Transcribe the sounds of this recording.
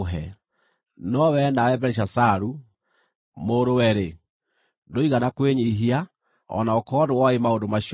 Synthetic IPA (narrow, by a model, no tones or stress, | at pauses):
ɦɛ | nɔwɛnawɛbɛɾeʃ̬asaɾu | moɾowɛɾe | ndoiɣanakweɲiɦia | ɔ̰naokɔdewaemaondomaɕi